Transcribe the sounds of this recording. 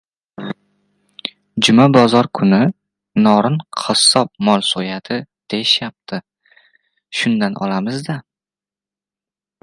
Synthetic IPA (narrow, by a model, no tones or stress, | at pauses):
d͡ʒʊmabɒzɒɾkʰʊnɪ | nɒɾɪnqʰɒsːɒp̚mɒlˠsujat̪ʰɪd̪̥e̞jɪʃjap̚t̪ʰɪ | ʃʊnd̪anʔɒ̰lamɪzd̪a